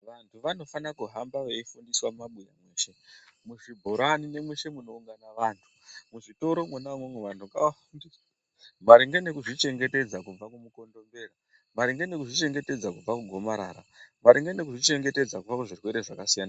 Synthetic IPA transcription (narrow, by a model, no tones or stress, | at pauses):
ʋantʰuʋano̞fanakuɦambaʋeifundiswamaɓuja̰mweːʃe̞muʐibʱoɾanine̞mwe̞ʃe̞muno̞uŋɡanaʋaːntʰu̥muʐito̞ɾo̞mwenamwemweʋantʰukaafundis | maɾiŋɡene̞kuʐit͡ʃe̞ŋɡe̞te̞d͡zakub͡vakumuko̞ndo̞mbe̞ːra | maɾiŋɡene̞kuʐit͡ʃe̞ŋɡe̞te̞d͡zakub͡vakuɡʱo̞maɾa̰ːɾa̰ | maɾiŋɡenekuʐit͡ʃe̞ŋɡe̞te̞d͡zakub͡vakuʐirwe̞ɾe̞ʐakasijaːna